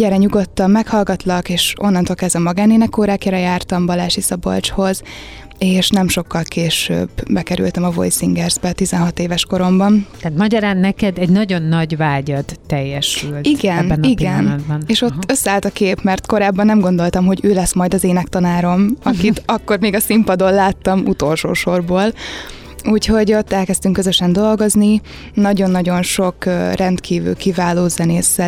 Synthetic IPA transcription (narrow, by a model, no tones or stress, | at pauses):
ɟɛɾɛɲuɡo̞t̪ːɒmːɛkhɒlɡɒt̪lɒkeːʃo̞nːɒnt̪olkɛzɛmːɒɡaːneːnɛkːoːɾaːkɛɾɛjaːrt̪ɒmbɒlaːʃisɒbo̰lt͡ʃho̞z | eːʃnɛmʃo̞kːɒlkeːʃø̰ːbbɛkɛɾy̰lt̪ɛmɒvo̞̰jsiŋɡɛrzbɛt̪izɛnɦɒt̪eːvɛʃko̞ɾo̞mbɒnaːt̪mɒɟɒɾaːnːɛkɛd̪ɛɟnɒɟo̞nːɒɟvaːɟɒd̪ːɛjːɛʃyltiɡɛnɛniɡiɛnd̪bneːʃot̪ːøsːaːlt̪ɒkeːpmɛrt̪ko̞ɾaːbːɒnːɛmɡo̞nd̪o̞lt̪ɒmɦo̞ɟøːlɛsmɒjd̪ɒzeːnɛkt̪ɒnaːɾo̞mɒkit̪ɒkːo̞rmeːɡɒsimpɒd̪o̞llaːt̪ːɒmut̪o̞lʃo̰ːʃo̞rboːl | uːcho̞ɟo̞t̪ːɛlkɛst̪yŋkːøzøʃɛnd̪o̞lɡo̞zni | nɒɟo̞nːɒɟo̞nʃo̞krɛnt̪kʰiːvy̰ːkivaːloːzɛneːsːɛ